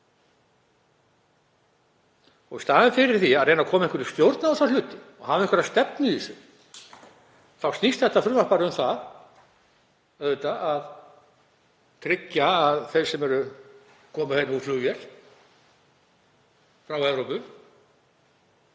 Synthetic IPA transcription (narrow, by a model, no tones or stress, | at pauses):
ɔɣvɪst̪aːðɪfɪɾɪɾ̥θiaðrejnakʰɔːmaɛ̃ɪŋkʏɾist̪jowɾt̪naaθawlʏːt̪ɪɔ̰ɣhavɪ̃hkvʏɾast̪ɛp̚nʏðisʏ̰ | θawst̪nist̪θɛht̪afɾʏmḁpaːɾɪʏmθað | œððɪt̪aʔað | t̪ʰɾɪcːaːðθejɾ̥sɛmɛɾʏ | kʰɔːmʏhejnuːfluːjɛɾ̥ | fɾawɛvɾowpʏ